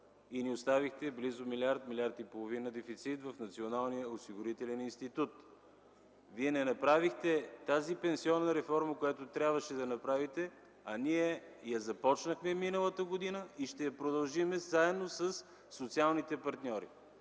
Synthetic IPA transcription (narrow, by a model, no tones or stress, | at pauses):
iniost̪avixt̪ɛblizʊmilʲaɾt̪milʲaɾt̪ipolˠovinəd̪ɛfit̪sit̪vɐfnɐt̪sionalˠnijəosiɡʊɾit̪ɛlɛninst̪it̪ut̪ | viɛnɛnɐpɾavixt̪ɛt̪azipɛnsiɔnːəɾɛfɔɾməkojat̪ot̪ɾʲabvəʃɛd̪ɐnɐpɾavit̪ɛ | ɐniɛ | jɐzɐpɔt͡ʃnəxmɛminəlˠət̪əɡod̪inəiʃt̪ɛjɐpɾod̪ɐlˠʒimɛzaɛd̪nosəsː | ot̪sialˠnit̪ɛpɐɾt̪nʲɔɾḭ